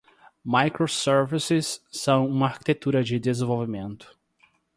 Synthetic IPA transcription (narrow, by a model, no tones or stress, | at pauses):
majkɾosɛɾvisɪsːɐ̃w̃ũmɐaɾki̥t̪et̪uɾɐd͡ʒɪd̪ezẽvowvimẽnt̪ʊ̥